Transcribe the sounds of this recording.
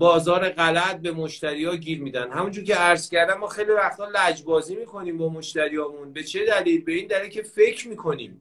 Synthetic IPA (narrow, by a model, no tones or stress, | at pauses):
bɒːzɒːɾeɢælæt̪̚be̞moʃt̪æɾiːjɒːɟiːɾmiːd̪ænd̪hæmund͡ʒuːɾcʰe̞æɾz̥cæɾd̪æmːɒːxejlivæxt̪ʰɒːlæd͡ʒbɒːziːmiːkʰo̞niːmbɒːmo̞ʃt̪æɾijɒːmunbe̞t͡ʃʰe̞d̪æliːlbe̞iːnd̪æliːlcʰʲefe̞cʰɾmiːkʰo̞nḭːm